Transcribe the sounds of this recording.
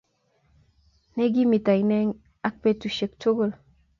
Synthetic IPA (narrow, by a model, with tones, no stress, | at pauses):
nɛ˦ɡi˦mi˨ta˨i˨nɛ˦ŋ | a˦k̚pe˦tu˨ʃe˨k̚to˦ɡo˨l